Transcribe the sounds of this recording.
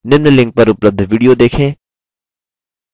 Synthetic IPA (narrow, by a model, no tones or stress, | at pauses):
nɪmnəlɪ̃ŋk̚pɐɾʊpləb̚d̪ʱʋiːɖijod̪eːkʰẽː